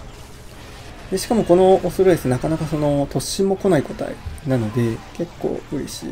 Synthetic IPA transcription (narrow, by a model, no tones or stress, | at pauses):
d̪eɕi̥kamo̞ko̞no̞osoɾod̪e̞sɨneakanakaso̞no̞t̪o̞ɕĩmːo̞ko̞naiko̞t̪a̰ḭnano̞d̪e̞ke̞kːo̞̰ːɯ̟ɾe̞̰ɕḭː